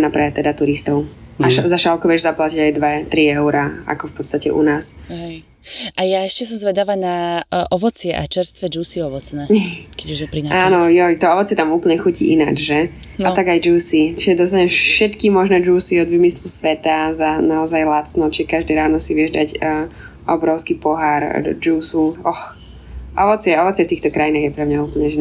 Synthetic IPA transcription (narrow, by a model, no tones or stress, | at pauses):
napɾɛt̪ɛd̪at̪uɾist̪ɔʊaʃazaʃalkɔʋɪɛʒzaplaciɟajd̪ʋɛt̪ɾiɛʊɾaa̰kɔfpɔt̪st̪acɛ̰ʔṵnaːsɦɛj | ʔajaɛʃcɛs̬ɔmzʋɛd̪aʋanaʔɔʋɔt͡sɪɛʔa̰t͡ʃɛɾst̪ʋɛd͡ʒuːsiɔʋɔt͡snɛkɛɟuʒɛpɾinaʔaːnɔjɔjt̪ɔɔʋɔt͡sɪɛt̪amuːpl̩ɲɛxucḭʔina̰d͡ʒʒɛ | at̪aɡajd͡ʒuːsit͡ʃiʒɛd̪ɔst̪aɲɛʃɛt̪kimɔʒnɛːd͡ʒuːsiɔd̪ʋiːmislusʋɛt̪azanaɔzajlat͡snɔt͡ʃiʒɛkaʒd̪ɛɾaːnɔsiʋɪɛʒd̪aɟ | ʔɔbɾɔʊskipɔɦaɾd͡ʒuːsuɔx | ʔɔʋɔt͡sɪɛɔʋɔt͡sɪɛft̪iːxt̪ɔkɾajinaːɣjɛpɾɛmɲauːpl̩ɲɛʒɛ